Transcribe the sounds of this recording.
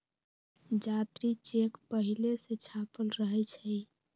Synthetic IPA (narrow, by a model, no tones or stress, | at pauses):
d͡ʒat̪ɾit͡ʃekpəɦileset͡ʃʰapəlɾəɦɛt͡ʃʰɛ